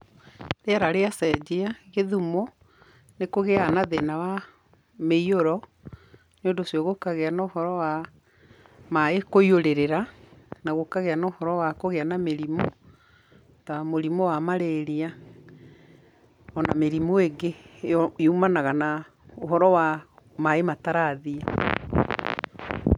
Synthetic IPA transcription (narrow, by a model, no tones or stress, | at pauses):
ɾeaɾaɾeasɛd͡ʑeaɣeðumɔ | nekoɣeanaðenawa | meioɾɔ | neondosjɔɣokaɣeanaohɔɾɔwa | maekoioɾeɾeɾanaɣokaɣeanaohɔɾɔwakoɣeanameɾimo | tamoɾimowamaɾeɾia | ɔnameɾimoeɡeeumanaɣana | oɦɔɾɔwamaemataɾaðia